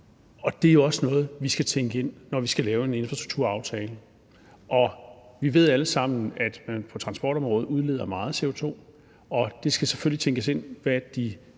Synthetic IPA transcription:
ɒ̽d̥e̝æjo̝ɒ̽sənɔ̽ːð̞̩ˠʋisɡ̥æt͡sʰeŋɡ̥əe̝n̰ːɒʋisɡ̥ælɛːʊe̝ne̝nfʁɑd̥uɡ̥̚t͡sʰuɐ̰ɑ̈ʊt͡sʰɛːlə | ʔɒ̽ʋiʋe̝ð̞̰ˠæləsɑ̈m̰n̩æd̥mænpʰɒ̽t͡sʰʁɑ̈nsb̥ɒːɾ̥ɒ̽mʁɔ̽ːð̞̩ˠuð̞ˠle̝ðˠɐmɑ̈ːð̞̩ˠse̝o̝t͡sʰo̝̰ː | ɒ̽d̥e̝sɡ̥æseføl̰lit͡sʰeŋɡ̥əse̝n̰ʋæd̥i

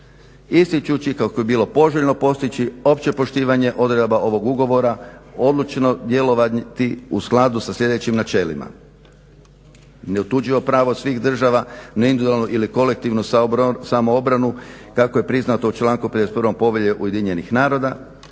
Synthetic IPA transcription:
ist̪it͡ʃut͡ʃikakobebiːlˠo̞po̞ʒeʎno̞po̞st̪it͡ɕio̞pt͡ɕe̞po̞ʃt̪iːʋaɲe̞ʔo̞d̪ɾed̪baʔo̞ʋo̞ɡuɡo̞ʋo̞ɾao̞d̪lˠut͡ʃnod̪je̞lo̞ʋat̪iusklˠad̪usaslʲe̞d̪e̞t͡ɕimnat͡ʃe̞lḭma̰ | ne̞ut̪ud͡ʒiʋo̞pɾaːʋosʋiːxd̪r̩ʒaʋanaind̪ud̪alnuʔiliko̞lek̚t̪iʋnusamoobɾanukakoje̞pɾiznat̪o̞ut͡ʃlˠaːŋkuped̪eset̪pɾʋo̞mpo̞ʋjeʎeʔṵje̞d̪iɲe̞nixnaːɾo̞d̪a

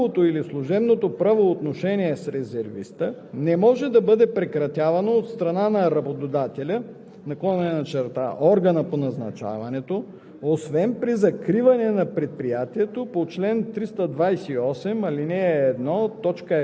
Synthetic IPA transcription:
ot̪oilislˠuʒɛbnot̪opɾavoːt̪noʃɛniɛsɾɛzɛɾvḭst̪ənɛmɔʒɛd̪ɐbɤd̪ɛpɾɛkɾɐt̪ʲjavɐnoːt̪st̪ɾɐnanɐɾɐbot̪od̪at̪ɛlʲə | nɐkɔnɛnɐt͡ʃɛɾt̪a̰ʔɔɾɡɐnəponɐznɐt͡ʃa̰vɐnɛt̪o | osvɛnpɾizɐkɾivɐnɛnɐpɾɛt̪̚pɾijat̪iɛt̪opot͡ʃlɛnt̪ɾist̪əd̪vajsɛiɔsɛmɐlinɛːd̪nɔt̪ɔt͡ʃkə

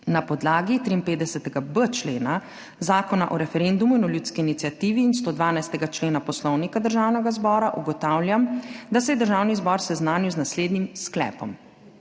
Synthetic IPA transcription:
napɔd̪laːɡit̪ɾiːnpeːt̪d̪ɛsɛt̪ɛɡabət͡ʃleːna | zaːkɔnaʔɔɾɛfɛɾend̪umuinɔljut̪skiːnit̪sijat̪iːʋiːnst̪oːd̪ʋaːnajst̪ɛɡat͡ʃleːnapɔslɔwnikad̪əɾʒaːwnɛɡazbɔːɾaʔuɡɔt̪aːwlʲjamd̪asɛjɛd̪əɾʒaːwnizbɔɾsɛznaːniwznasleːd̪nimsklɛ̰ːpɔm

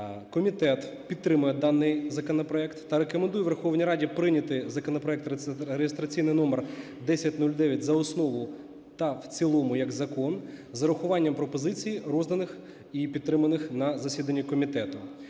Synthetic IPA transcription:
kɔmʲit̪ɛt̪ | pʲid̪t̪ːɾɪmʊjɛd̪ɑnːɪjzɐkɔnɔpɾɔɛkt̪ːɐɾekɔmend̪ujɛʋerxɔʋnʲijɾɑdʲipɾɪnʲɐt̪ɪzɐkɔnɔpɾɔɛk̚t̪ɾejɪst̪ɾɐt͡sʲijnɪjnɔmer | d̪ɛsʲɐtʲnulʲd̪ɛʋʲjɐtʲzɐɔsnɔʋʊ | t̪ɐwt͡sʲilˠɔmʊjɐɡzɐkɔnzɐɾʊxʊʋɑnʲːɐmpɾɔpɔzɪt͡sʲijiɾɔzd̪ɐnɪx | ipʲid̪̚t̪ːɾɪmɐnɪxnɐzɐsʲid̪ɐnʲːikɔmʲit̪ɛt̪ʊ

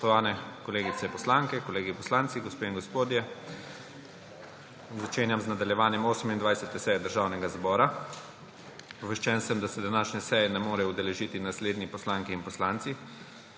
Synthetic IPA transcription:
ɔt̪ɔʋaːnɛkɔleːɡit̪sɛpɔslaŋkɛkɔleːɡipɔslant̪siɡɔspeːiŋɡospoːd̪jɛ | zat͡ʃeːnjamznad̪aljɛʋaːnjɛmoːsəmind̪ʋajsɛt̪ɛsɛjɛd̪əɾʒaːwnɛɡazbɔːɾa | ʋɛʃt͡ʃɛnsɛmd̪asɛd̪anaːʃnʲɛsɛjɛnɛmoːɾɛud̪ɛlɛʒit̪inasleːd̪nipɔslaŋkiːnpɔslant̪si

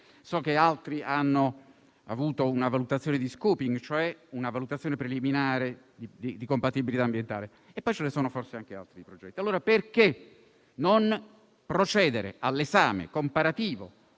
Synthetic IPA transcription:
sɔk̟ːealt̪ɾiʔanːo | a̰vuːt̪ounavalut̪at̪sjoːned̪iskuːpiŋɡt͡ʃoɛunavalut̪at̪sːjoːnepɾeliminaːɾe | d̪id̪id̪ikompat̪ibilit̪aːmbjent̪a̰ːle | epːɔjt͡ʃelesoːnoforseaŋk̟ea̰lt̪ɾiipɾod͡ʒɛt̪ːialːoːɾaperke | non | pɾot͡ʃɛːd̪eɾḛʔalːezaːmḛkompaɾat̪iːvo̰

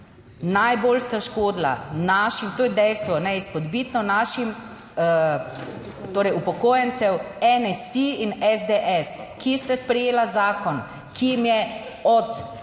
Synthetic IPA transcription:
najboːlst̪aʃkoːd̪la̰naʃimt̪oːjɛd̪ɛjst̪ʋɔnɛispɔd̪biːt̪nɔnaːʃim | t̪oːɾɛjupɔkoːjɛnsɛwɛnɛsiinɛzd̪eʔɛskist̪aspɾɛjeːlazaːkɔn | kijimjɛɔt̪

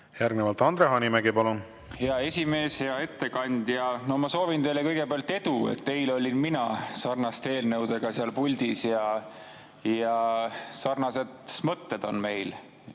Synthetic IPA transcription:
jæɾɡnevɑlt̪ɑnd̪ɾeɦɑnʲimæɡepɑlun | heɑe̞sʲime̞ːsheɑe̞t̪ːe̞kɑnʲd̪̥jɑno̞mɑso̞ːvint̪e̞jlekɤjɡ̥e̞peɑlt̪ːˑe̞d̪uḛt̪ːe̞jlo̞lʲinminɑsɑrnɑst̪e̞ːlnɤwd̪̥eɡ̥ɑseɑlpulʲd̪̥isjɑ | jɑsɑrnɑse̞d̪̥mɤt̪ːe̞d̪̥o̞nme̞jl

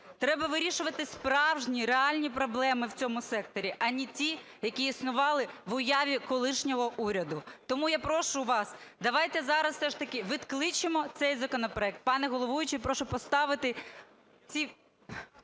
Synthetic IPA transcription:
t̪ɾɛbɐʋɪɾʲiʃʊʋɐt̪ɪspɾɑwʒnʲiɾeɑlʲnʲipɾɔblˠɛmɪwt͡sʲɔmʊsɛk̚t̪ɔɾʲiʔɐnʲitʲi | jɐkʲiisnʊʋɑlˠɪʋʊjaʋʲikɔlˠɪʃnʲɔɦɔʔuɾʲɐd̪ʊt̪ɔmujapɾɔʃʊʋɑsd̪ɐʋɑjt̪ɛzɑɾɐsfsɛʃt̪ɐkʲɪʋɪt̪klˠɪt͡ʃɪmɔt̪sɛjzɐkɔnɔpɾɔɛk̚t̪̚pɑnɛɦɔlˠɔʋujʊt͡ʃɪpɾɔʃʊpɔst̪ɑʋɪt̪ɪ | t͡sʲi

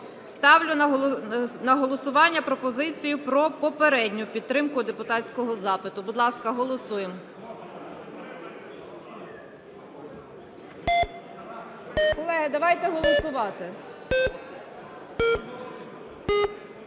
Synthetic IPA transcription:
st̪ɑwlʲʊ | nɐɦɔlˠɔsʊʋɑnʲːɐpɾɔpɔzɪt͡sʲijʊpɾɔpɔpeɾɛdʲnʲʊpʲid̪t̪ɾɪmkʊd̪epʊt̪ɑt͡sʲkɔɦɔzɑpɪt̪ʊbʊd̪lˠɑskɐɦɔlˠɔsujem | kɔlˠɛɦɪd̪ɐʋɑjt̪ɛɦɔlˠɔsʊʋɑt̪ɪ

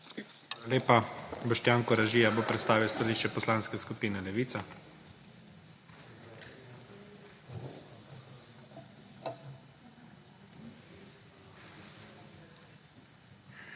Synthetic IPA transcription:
aːlaleːpabɔʃt̪jaːŋkɔɾaʒiːjaboːpɾɛt̪st̪aːʋiwst̪aliːʃt͡ʃɛpɔslanskɛskupiːnɛlɛʋiːt̪sa

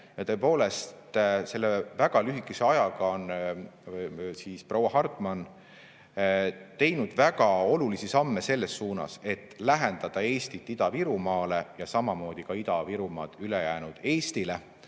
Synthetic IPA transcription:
jɑt̪ɤ̞epo̞ːle̞st̪se̞lːevæɡ̥ɑlyɦikːˑese̞ɑjɑɡ̥ɑon | siːsprɑwːɑɦɑrt̪ˑmɑn | t̪e̞jnud̪̥væɡ̥ɑo̞lulisisɑmːese̞lːe̞sːuːnɑ̰se̞t̪ˑːlæɦend̪̥ɑd̪̥ɑe̞ːst̪it̪ːˑid̪̥ɑviɾumɑːle̞jɑsɑmɑmo̞ːd̪̥ikɑid̪ɑviɾumɑ̰ːd̪̥ylejæːnud̪̥e̞ːst̪ile̞

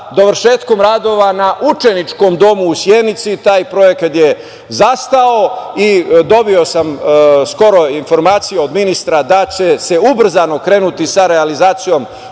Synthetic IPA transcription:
d̪o̞ʋɾʃeːt̪ko̞mɾaːd̪o̞ʋanaʔut͡ʃe̞nit͡ʃko̞md̪o̞muːsjed̪nit̪sit̪aːjpɾo̞je̞kat̪je | zast̪ao̞id̪o̞bio̞samsko̞ɾo̞info̞ɾmaːt̪sijeo̞d̪minist̪ɾad̪at͡ɕe̞se̞ubr̩zano̞kɾe̞ːnut̪isaɾealizaːt̪sijo̞m

